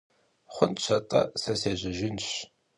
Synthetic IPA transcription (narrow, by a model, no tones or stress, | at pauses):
χʷʊnɕʰɐtʼɐ̰sɐseːʑɐʒɪnɕ